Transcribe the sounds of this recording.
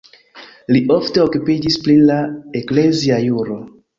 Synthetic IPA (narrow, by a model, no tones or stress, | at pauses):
liʔo̞fte̞o̞kupid͡ʒisplilaekle̞ziajuɾo̞